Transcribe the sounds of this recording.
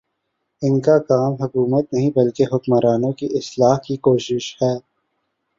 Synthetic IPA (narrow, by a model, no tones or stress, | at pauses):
ɪnkakaːmɦʊkuːmət̪nɐɦĩbɐlkeɦʊkmaɾaːnõkiʔɪslaːɦkikoːʃɪʃhɛː